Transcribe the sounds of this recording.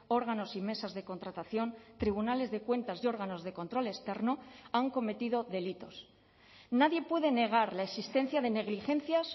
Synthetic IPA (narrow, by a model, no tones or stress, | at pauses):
o̞ɾɣ̞ano̞sime̞sazðe̞ko̞nt̪ɾat̪aθjo̞nt̪ɾiβ̞unale̞zðe̞kwe̞nt̪asio̞ɾɣano̞zðe̞ko̞nt̪ɾo̞le̞st̪e̞ɾnoaŋko̞me̞t̪ið̞o̞ðe̞lit̪o̞s | naðje̞pwe̞ðe̞ne̞ɣ̞aɾlaesist̪e̞nθjaðe̞ne̞ɣ̞lixe̞nθjas